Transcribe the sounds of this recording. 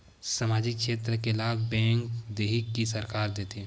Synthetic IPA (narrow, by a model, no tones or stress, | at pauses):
samaːd͡ʒɪkʃeːt̪ɾəkelaːkbɛ̃ːŋkd̪eːɦɪkːisɐɾkaːɾd̪eːt̪iɛ̃